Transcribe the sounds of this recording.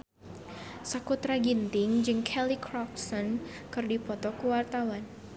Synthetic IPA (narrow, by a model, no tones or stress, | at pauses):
sakut̪ɾaɡint̪ɪŋd͡ʒɨŋkʰɛlikɾɔk̚sɔnkɨrdipɔt̪ɔkuwart̪awan